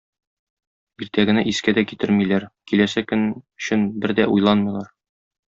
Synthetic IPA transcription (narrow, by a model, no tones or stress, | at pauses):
iɾt̪æɡɘ̆næʔiskæd̪ækit̪ɘɾmilæɾkilæsækɘ̆nɵ̆ɕɵnbɘɾd̪æʔujlˠɑnmɤ̆lˠɑɾ